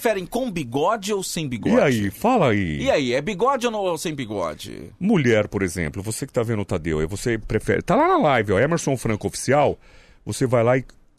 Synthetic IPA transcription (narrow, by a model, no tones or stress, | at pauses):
fɛɾẽj̃kõw̃biɡɔd͡ʒɪowsẽj̃biɡɔiaifalɐiiaiɛbiɡɔd͡ʒɪonɐ̃w̃sẽj̃biɡɔ̰d͡ʒɪ̰muʎɛɾpoɾezḛ̃mplʊvosekɪ̥t̪avẽnʊt̪ad̪ḛwɛ̰vosepɾefɛ̰ɾɪ̰t̪alanɐlajvɪɔɛmeɾsõfɾɐ̃kʊofi̥siaw | vosevajlaɪ